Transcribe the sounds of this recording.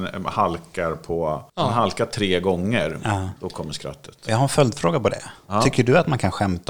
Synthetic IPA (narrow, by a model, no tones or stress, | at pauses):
nhalkaɾpʰɔnɦalkaʈʰɾeːɡɔŋːəɾd̪̥ɔkʰɔmːəʂkɾœ̰t̪ʰːə̥t̪jɑɡɦaɾɛnfœld̪fɾoːɡapɔd̪ɛ̰ʏkːəɖɵat̪mankʰanɧɛmt̪a